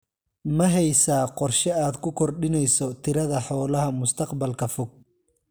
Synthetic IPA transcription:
mɐɦɛjsaːqɔrʃɛaːd̪kʰʊkʰɔrɖɪnɛjsɔt̪ʰɪɾɐðɐħɔːlɐɦɐmʊst̪ʰɐqbɐlkʰɐfʊɡ̚

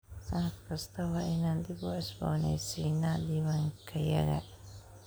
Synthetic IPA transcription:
ʔahkʰɐst̪ʰɐwɑːʔɪnaːnd̪ɪbʊɪsbɔ̰ːnɛ̰sinːad̪iβɐŋkʰɐjɐ̰ɣɐ̰

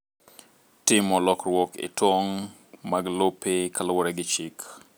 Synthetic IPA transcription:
tɪmɔlɔkrwɔkɪ̰twoŋ | maɡlopʰekʰalowoɾɛɡɪt͡ʃɪk

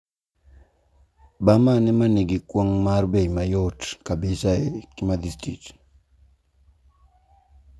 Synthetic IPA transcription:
bamanɛmaneɡɪkwoŋmarbeimajotkabesaekɪmad̪istɾḭt

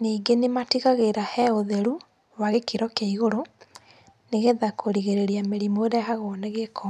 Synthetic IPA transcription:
niːɡenematiɣaɣeɾahɛoðeɾu | waɣekiɾɔkeiɣoɾo | neɣeðakʰoɾiɣeɾeɾiameɾimoɾeɦaɣoneɣekɔ

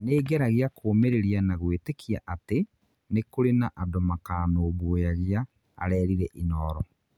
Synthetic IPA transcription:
neːɡɛɾaɣeakʰoːmeɾeɾianaɣwetekia̰ʔate | nekoɾenaʔadomakaːnoːβojaɣia̰ː | ɾɛːɾiɾɛʔinɔːɾɔ

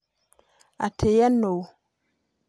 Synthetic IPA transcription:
a̰tʰejanow

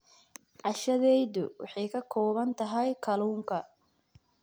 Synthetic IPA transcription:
ʕɑʃɐðɛjðʊwɑ̰ħɑjkʰɐkʰɔːβɐnt̪ʰɐɦɐjkʰɐluːŋkʰɐ

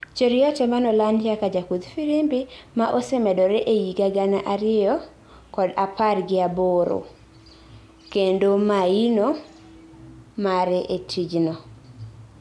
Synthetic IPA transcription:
t͡ʃoɾɪɔtɛmanɔlandjakad͡ʒakud̪fiɾimbimaʔosɛmɛdɔɾɛʔejiɡaɡanaʔaɾɪjɔ | kɔdaparɡɪaboɾo̰ | kendomaino | maɾɛʔetʰid͡ʒnɔ

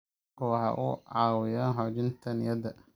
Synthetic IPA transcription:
ɔħɑ̰ʔʊʕɑːwɪjaːnɦɔd͡ʒɪnt̪ʰɐnɪjɐd̪ɐ

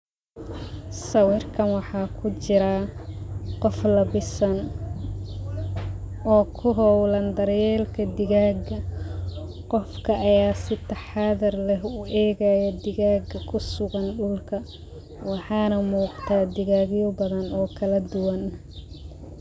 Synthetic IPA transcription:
sɐwɪrkʰɐnwɑħɑːkʰʊt͡ʃɪɾɐ | qɔflɐbɪsɐn | ɔːkʰʊɦɔwlɐnd̪ɐɾjɛːlkʰɐd̪ɪɣaːɡɐ | qɔfkʰɐʔːjaːsɪt̪ʰɐħɑːðɐrlɛɦʊʔɛːɣɐjɐd̪ɪɣaːɡɐkʰʊsʊɣɐnɗʊlkʰɐ | wɑħɑːnɐmuːqt̪ʰaːd̪ɪɣaːɣjɔbɐðɐnɔːkʰɐlɐd̪ʊwɐn

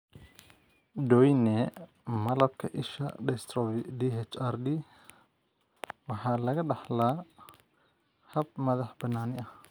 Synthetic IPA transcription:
dɔjnɛ | mɐlɐb̚kʰɐʔɪʃɐ̰ɖɛst̪ɾɔbidiɛt͡ʃardi | wɑħɑːlɐɣɐɖɑħlaː | hɐb̚mɐðɑħb̥ɐnaːnɪɐh

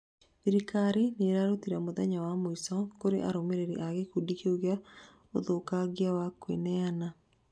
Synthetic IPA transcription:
iɾikaɾineɾaɾotiɾɛmoðɛɲawamoisɔkoɾḛʔaɾomeɾeɾḭʔaɣekudikeuɣea | o̰ðokaɣiawakwḛnɛana

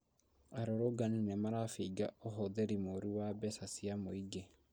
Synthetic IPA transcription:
aɾoɾoɡaninemaɾafiɡaoɦoðeɾimoɾiwabɛsasiamoiɡe

